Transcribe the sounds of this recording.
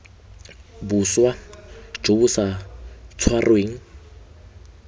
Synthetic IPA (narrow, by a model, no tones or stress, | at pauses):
buswḁd͡ʒobusat͡sʰwarweːŋ̩